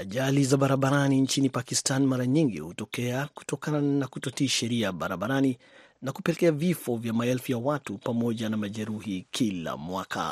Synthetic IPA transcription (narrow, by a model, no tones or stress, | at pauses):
aʄalizaɓaɾaɓaɾanint͡ʃinipakistanmaɾaɲiŋɡḭhutɔkɛaku̥tɔkananakutɔtiʃɛɾiaɓaɾaɓaɾani | nakupɛlɛkɛavifɔvjamaɛlfujawatupamɔʄanamaʄɛɾuhikʰila̰mwakʰa̰